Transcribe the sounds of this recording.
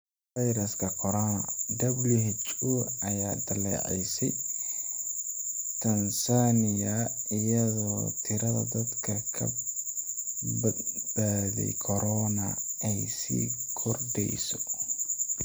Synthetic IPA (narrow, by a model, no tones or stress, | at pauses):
fajɾɐskʰɐkʰɔɾɔnɐd̪ɐblihɛt͡ʃuʔɐjaːd̪ɐlɛ̰ːʕɛ̰jsɛj | t̪ʰɐnsaːnɪjɐɪjɐðɔːt̪ʰɪɾɐðɐ̰d̪ɐd̪kʰɐkʰɐ̰ | bb̥aːðɛ̰jkʰɔɾɔnɐɛjsḭːkʰɔrɖɛ̰jsɔ